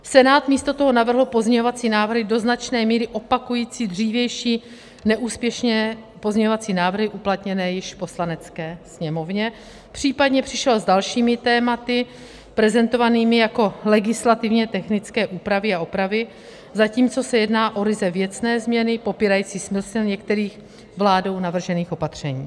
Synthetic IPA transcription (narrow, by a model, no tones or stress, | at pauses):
sɛnaːt̪miːst̪o̞t̪oɦo̞navr̩ɦl̩po̞zɲɛɲo̞vat͡siːnaːvr̩ɦɪdo̞znat͡ʃnɛːmiːɾɪʔo̞pakujiːt͡siːd̪r̝iːvjɛjʃiː | nɛʔuːspjɛʃɲɛ | po̞zɲɛɲovat͡siːnaːvr̩ɦɪʔuplat̪ɲɛnɛːjɪʃpo̞slanɛt͡skɛːsɲɛmo̞vɲɛ | pr̝̥iːpadɲɛpr̝̥ɪʃɛlzdalʃiːmɪt̪ɛːmat̪ɪ | pɾɛzɛnt̪o̞vaniːmɪjako̞lɛɡɪslat̪ɪvɲɛt̪ɛxnɪt͡skɛːʔuːpɾavɪaʔopɾavɪ | zaciːmt͡so̞sɛjɛdnaːʔo̞ɾɪzɛvjɛt͡snɛːzmɲɛnɪpo̞piːɾajiːt͡siːxsmɪlsɪlɲɛkt̪ɛɾiːx | vlaːdo̞wnavr̩ʒɛniːxo̞pat̪r̝̥ɛɲiː